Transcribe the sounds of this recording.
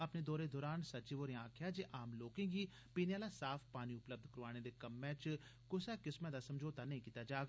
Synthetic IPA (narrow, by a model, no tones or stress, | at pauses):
əpneːd̪ɔːɾed̪ɔːɾaːnsət͡ʃiːʋoːɾẽãːkʰjaːd͡ʒeːʔaːmloːkẽːɡiː | piːnjaːlaːsaːfʰpaːniːʊpləb̚d̪ʱkəɾʋaːñed̪eːkəmːɛ̃ːt͡ʃkʊsɛːkɪsmə̃d̪aːsəmd͡ʒoːt̪anəĩːkiːt̪aːd͡ʒaːɡ